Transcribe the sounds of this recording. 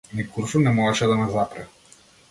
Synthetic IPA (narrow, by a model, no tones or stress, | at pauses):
nikuɾfunɛmɔɛʃɛd̪amɛzapɾa